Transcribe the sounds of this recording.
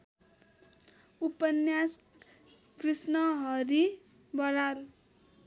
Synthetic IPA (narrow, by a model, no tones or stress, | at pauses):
upʌnjas | krisnʌɦʌɾi | bʌɾal